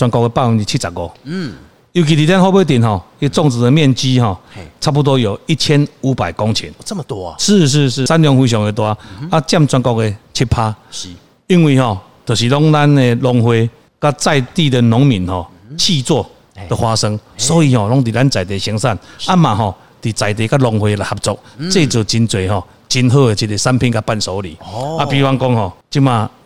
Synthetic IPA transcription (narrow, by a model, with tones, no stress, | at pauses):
t͡swa˧nkɔ˧ke˧pa˥˧˨mi˨˦nt̪i˨t͡ɕʰi˦˥t͡sa˨˩ɡɔ˨˩ | ju˨˩k̬i˨t̪̬i˨t̪ja˦nhɔ˦be˦t̪̬i˨˩nɦɔ˨˩ | i˦t͡sɔ˥˧ŋt͡sɹ̩˨˩d̪ə˨mjɛ˥˨nt͡ɕi˦ɦɔ˨t͡sʰa˥p̬u˧t̪̬wɔ˦jo˨˩ʊi˦t͡ɕʰjɛ˦nu˨˦pa˨˩jkɔ˦ŋt͡ɕʰḭ˨˦n˦ʂɻ̩˥˧ʂ̬̩˥˧ʂ̩˥˩sa˦nljɔ˧˦ŋhwi˧ɕ̬jɔ˨˦ŋe˧t̪wa˧˦a˦t͡ɕja˥˧˨mt͡swa˧nkɔ˧ke˧t͡ɕʰi˦t̚pʰa˦ | i˦nwi˧hɔ˨˩ | t̪ə˨˩ɕi˨lɔ˦ŋla˦ne˧lɔ˧ŋhwe˧ | ka˦t͡sa˥˧jt̪i˥˨d̪ə˨nɔ˨˦ŋmĩ˨˦nhɔ˨˩ | t͡ɕʰi˥˧t͡swɔ˥˧ | t̪ə˨hwa˧sə˧ŋsɔ˨˦i˧hɔ˨lɔ˦ŋt̪̬i˨˩ɾa˦nt͡sa˨˩jt̪e˨˦ɕi˧˦ŋsa˥˨na˦mã˨˩ɦɔ˨˩ | t̪i˨˩t͡sa˨˩jt̪e˨ka˦lɔ˧ŋhwe˧la˨˩jha˧p̚t͡sɔ˧k̚t͡se˥˧˨t͡sə˨˩t͡ɕi˧nt͡swe˨˩ɦɔ˨ | t͡ɕi˧nɦə˥˧e˧t͡ɕʰi˧ɾe˧sa˦npʰi˦˧nka˦pa˥˧˨nsɔ˨˦lḭ˨˦ʔa˦pi˧˦wa˧nkɔ˦ŋhɔ˨˩t͡ɕi˦mã˧˩